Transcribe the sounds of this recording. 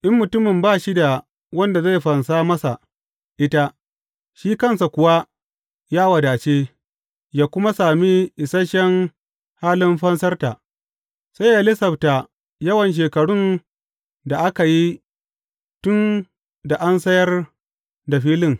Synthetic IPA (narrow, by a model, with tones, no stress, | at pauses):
ʔɪ˦mːʊ˨tʊ˦mɪ˨mbaː˦˨ʃi˦da˨ | wɐ˦nda˨ze˦˨ɸɐ˨nsaː˦mɐ˦sa˨ | ʔɪ˦ta˦ | ʃiː˦kɐ˦˨nsa˨kʷʊ˨wa˦ | jaː˦wɐ˨daː˨t͡ʃeː˦ | jaː˦kʷʊ˦ma˦saː˨mi˦ʔɪ˨sɐ˦ʃɛ˦ŋ | haː˦lɪ˦mɸɐ˦nsɐ˦rta˨ʔ | sa˦jjaː˦lɪ˦sɐ˨ɸta˨ | jɐ˦wɐ˨nʃ̬eː˨kɐ˨ɽʊ˦n | da˨ʔa˦ka˨ji˦ | tʊ˦n | da˨ʔa˦nsɐ˦jɐ˦r | da˨ɸiː˦lɪ˦˨ŋ